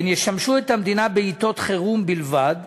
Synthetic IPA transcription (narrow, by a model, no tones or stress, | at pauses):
njeʃamʃuet̪hamd̪inabeit̪o̞t̪χeʁumbilvad̪